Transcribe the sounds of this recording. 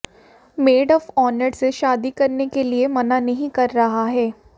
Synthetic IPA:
meːɖɔːfɔːnəɖseʃaːd̪ikɐɾnekeliemɐnanɐɦĩkɐɾːɐɦaɦɛː

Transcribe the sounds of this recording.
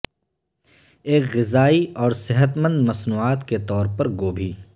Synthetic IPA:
eːkɣɪzaːiɔːɾsɪɦət̪mə̃nd̪mɐsnuːaːt̪ket̪ɔːɾpɐɾɡoːbʱiː

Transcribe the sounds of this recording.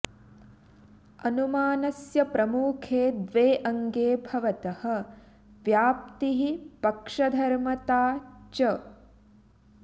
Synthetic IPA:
ɐnumaːnɐsjɐpɾɐmuːkʰeːd̪ʋeːʔɐŋɡeːbʱɐʋɐt̪ɐhɐ̆ | ʋjaːp̚t̪iɦipɐkʂɐd̪ʱɐɾmɐt̪aːt͡ʃɐ

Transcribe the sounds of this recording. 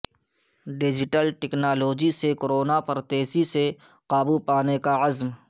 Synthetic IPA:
ɖɪd͡ʒɪʈəlʈɛknaːloːd͡ʒisekoɾoːnapɐɾt̪eːsiseqaːbupaːnekaɐzm

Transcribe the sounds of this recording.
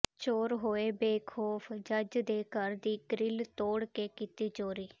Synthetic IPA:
t͡ʃoːɾɦoːeːbeːkʰoːpʰd͡ʒəd͡ʒd̪eːkəɾd̪iːɡɾɪlt̪oːɽkeːkɪt̪iːt͡ʃoːɾiː

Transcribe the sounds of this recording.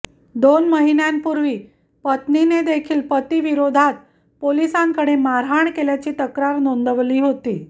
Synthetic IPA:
d̪onməɦinjampuɾʋiː | pət̪nined̪ekʰiːlpət̪iːʋiɾod̪ʱat̪ | polisãŋkəɽemaɾɦaɳkeljat͡ɕiːt̪əkɾaɾnond̪əʋliːɦot̪ḭː

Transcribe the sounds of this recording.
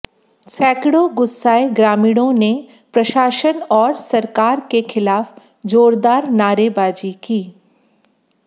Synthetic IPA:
sʰɛːkɽoɡʊsːaːeɡɾaːmiːɽ̃õne | pɾɐʃaːʃənɔːɾsɐɾkaːɾkexʰɪlaːf | d͡ʒoːɾd̪aːɾnaːɾebaːd͡ʒikiː

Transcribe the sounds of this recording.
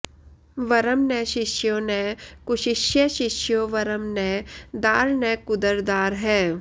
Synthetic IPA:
ʋɐɾəmnɛ̃ːʃɪʃjõnɛkʊʃɪʃjəʃɪʃjoʋɐɾəmnɛd̪aːɾnɛːkʊd̪əɾd̪aːɾɦɛː

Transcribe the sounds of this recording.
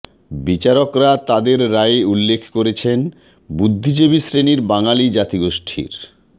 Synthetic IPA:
bit͡ɕaɾokɾat̪ad̪eɾːaeulːekʰkoɾet͡ɕʰen | bud̪ʱːid͡ʑebisɾeniɾbaŋalid͡ʑat̪iɡoʃʈʰḭɾ

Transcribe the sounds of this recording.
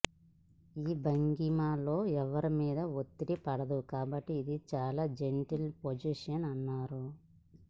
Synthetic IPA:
iːbɐŋɡimaːlo̞ːɛʋɐɾimiːd̪ɐot̪ːiɽipɐɽɐd̪ukaːbɐʈːiːd̪it͡ʃaːlaːd͡ʒeɳʈilpod͡ʒiʂɐnɐnːaːɾu

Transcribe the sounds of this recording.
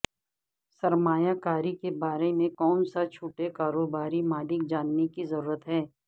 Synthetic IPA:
sɐɾmaːjakaːɾikebaːɾemẽkɔːnsat͡ʃʰuːʈekaːɾoːbaːɾimaːlɪk̚d͡ʒaːnːekizɐɾuːɾət̪ɦɛː

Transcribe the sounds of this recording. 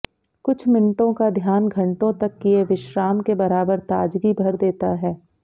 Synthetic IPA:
kʊt͡ʃʰmɪnʈõkad̪ʱjaːnɡʱɐ̃ɳʈõt̪ɐkːijeʋɪʃɾaːmkebɐɾaːbəɾt̪aːd͡ʒɡibʱɐɾd̪eːt̪aɦɛː

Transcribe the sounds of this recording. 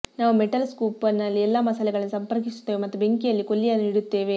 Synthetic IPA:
naːʋumeʈɐlskuːpɐnːɐlːiɛlːaːmɐsɐlɛɡɐɭɐnːusɐmpɐɾkisu̥t̪ːeːʋemɐt̪ːube̞ŋkijɐlːikolːijaːniɽut̪ːe̞ːʋe̞

